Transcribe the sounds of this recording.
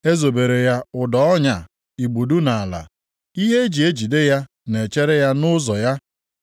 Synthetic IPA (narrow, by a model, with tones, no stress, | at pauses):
e˦zo˨be˨ɾe˨ja˦ʊ˨dɔ˦ɔ˦ɲa˨ | i˨ɡ͡bu˨du˦na˨a˨la̰˨ | i˦ɦe˦d͡ʒi˨e˦d͡ʒi˨de˦ja˦ | ne˨t͡ʃe˦ɾe˦ja˦nʊ˦zɔ˨ja˦